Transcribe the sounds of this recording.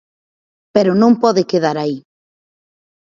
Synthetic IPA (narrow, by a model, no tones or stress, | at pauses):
peɾonõmpɔðekeðaɾai